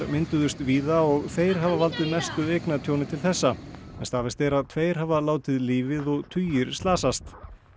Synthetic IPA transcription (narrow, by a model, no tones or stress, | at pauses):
ɾmɪnt̪ʏðʏst̪viːðaɔɣθeːjɾ̥ɦavavalt̪ɪðmɛst̪ʏðejknaðt̪ʰjoːwnɪt̪ʰɪlθɛsːamɛnst̪avɪst̪ɛɾaðt̪ʰveːjɾ̥ɦavalaːwt̪ɪðliːvɪðɔɣt̪ʰyːjɪɾ̥st̪laːsast̪